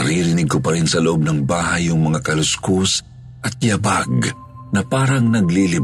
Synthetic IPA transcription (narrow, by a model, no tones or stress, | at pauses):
ɾiːɾɪnɪɡ̚kopɐɾinsɐloʔo̞b̚nɐŋbaːhɐjʊŋmɐŋakɐlʊskos | ʔɐt̪̚jɐbaɡ | nɐpaːɾɐŋnɐɡlilɪ